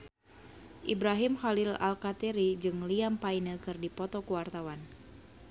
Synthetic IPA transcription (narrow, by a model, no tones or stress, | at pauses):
ʔibɾaɦimxalila̰lkat̪ɛɾid͡ʒɨŋliampainəkɨrdipɔt̪ɔkuwart̪awan